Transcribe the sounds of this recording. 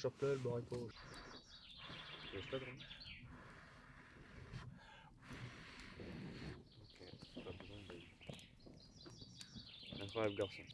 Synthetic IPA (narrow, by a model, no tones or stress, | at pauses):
ʃɔpləlbɔʁiko | ɛsp̪ad̪ʁə̃ | okʰepabəzwɛ̃d̪ə | ɛ̃kχwajabləɡaʁsɔ̃